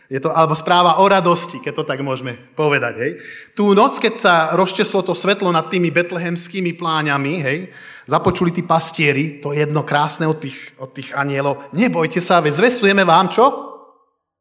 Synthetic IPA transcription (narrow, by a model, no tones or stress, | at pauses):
jɛt̪ɔalɛbɔspɾaːʋaʔɔɾad̪ɔscikɛc̚t̪ːɔt̪aɡmʊɔʒmɛpɔʋɛd̪aɟɦɛjt̪uːnɔt͡skɛcsaɾɔst͡ʃɛslɔt̪ɔsʋɛt̪lɔnat̪ːiːmibɛt̪lɛɦɛmskiːmiplaːɲamiɦɛj | zapɔt͡ʃulit̪iːpascɪɛɾit̪ɔjɛd̪nɔkɾaːsnɛɔt̪ːiːxɔt̪ːiːɣaɲɪɛlɔʊɲɛbɔjcɛsaʋɛzʋɛst̪ujɛmɛʋaːmt͡ʃɔ